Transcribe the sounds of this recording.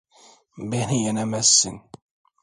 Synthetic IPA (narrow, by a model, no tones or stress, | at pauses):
mbinijænæmæsːə̰n